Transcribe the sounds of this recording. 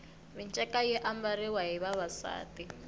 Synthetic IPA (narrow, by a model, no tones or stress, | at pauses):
mint͡ʃʼɛkʼajɛʔambaɾiwaɦiβaβasa̰ːti